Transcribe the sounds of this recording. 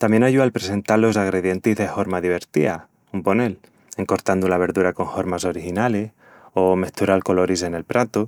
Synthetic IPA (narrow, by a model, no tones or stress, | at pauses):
t̪amje̞naʝualpɾe̞se̞nt̪alo̞s̬aɣ̞ɾe̞ðje̞nt̪izðe̞fo̞ɾmaðiβ̞e̞ɾt̪ḭa | umpo̞ne̞l | e̞ŋko̞ɾt̪and̪ulaβ̞e̞ɾðuɾako̞ŋho̞ɾmaso̞ɾixinales | o̞me̞ht̪uɾalko̞lo̞ɾis̬e̞ne̞lpɾat̪u